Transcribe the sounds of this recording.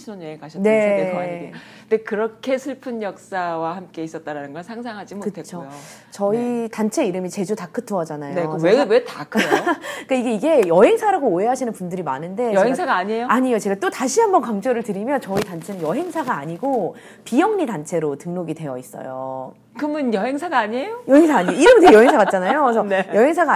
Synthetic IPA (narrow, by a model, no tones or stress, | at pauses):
ioneekaɕʰʌne̞ | dekɯɾʌkʰe̞sʰɯɭpʰɯnjʌk̚s͈awahamk͈e̞is͈ʌt̚t͈aɾanɯnɡʌnsʰaŋsʰaŋɦad͡ʑimokɯtʰet͡ɕʰojot͡ɕʌitant͡ɕʰe̞iɾɯmit͡ɕe̞d͡ʑutak͈ʰɯtʰuʌd͡ʑanajoweɡwetakʰɯok͈aiɡe̞iɡe̞jʌɦe̞ŋsʰaɾaɡoːɦe̞ɦaɕʰinɯnpundɯɾima̰nɯnde̞jʌeŋsʰaɡaːɲiejoaɲijot͡ɕe̞ɡat͈otaɕʰiɦambʌnkaŋd͡ʑʌɾɯɭtɯɾimjʌnt͡ɕʌitant͡ɕʰenɯnjʌɦe̞ŋsʰaɡaːɲiɡo | pijʌŋɲidant͡ɕʰe̞ɾotɯŋnoɡidwe̞jʌis͈ʌ̰jo̰ | kɯmɯnjʌɦeŋsʰaɡaːɲie̞jojʌɦeŋsʰaaɲioiɾɯmtejʌɦeŋsʰaɡat̚t͡ɕ͈anajos̬ʰʌjʌɦe̞ŋs̬ʰaɡa